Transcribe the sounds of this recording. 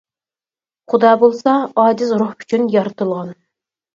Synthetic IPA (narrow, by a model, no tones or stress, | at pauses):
χʊd̪ɑːbolˠsɑɑːd͡ʒɪzɾuχy̥t͡ʃʰynjɑɾɨt̪ʰɨlˠʁɑn